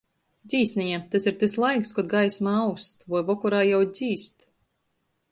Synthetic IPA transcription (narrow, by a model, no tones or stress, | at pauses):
d̪zʲiːsʲnʲɛjɛt̪asiɾt̪eslˠajkskɔd̪̚ɡajsmaawst̪vɔjvɔkɔɾaːjawd̪z̥ʲiːst̪